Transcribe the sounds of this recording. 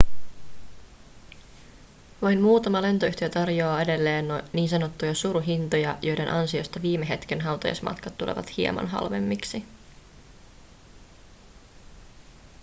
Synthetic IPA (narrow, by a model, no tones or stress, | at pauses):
ʋɑjnmuːt̪ɑmɑle̞nt̪oyht̪ijɑt̪ɑrjoɑːe̞de̞lːe̞ːnːoniːnsɑno̞t̪ːujɑsuɾuɦint̪ojɑjʔo̞jde̞nʔɑnsio̞st̪ɑʋiːme̞ɦe̞t̪kenɦɑwt̪ɑ̰jɑ̰smɑ̰t̪kɑt̪ːulḛʋɑ̰t̪hiḛmɑ̰nɦɑ̰lʋe̞̰mːiksi